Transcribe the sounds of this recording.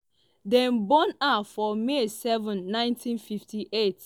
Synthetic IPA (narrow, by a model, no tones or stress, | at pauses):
dɛ̃nbɔ̃nafɔmesɛvɔ̃nːãɪ̃ntʰĩnfiftʰiʔet